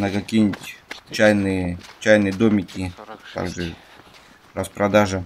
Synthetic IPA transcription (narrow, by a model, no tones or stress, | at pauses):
nəkɐkʲijnʲɪtʲt͡ɕajnɨjət͡ɕæjnɨjəd̪omʲɪkʲɪt̪a̰ɡʐɨ | ɾəspɾɐd̪aʐɨ